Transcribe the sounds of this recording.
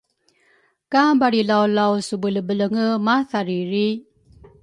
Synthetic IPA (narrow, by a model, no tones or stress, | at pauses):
kabaɾilawlawsubələbələŋəmaθaɾiɾi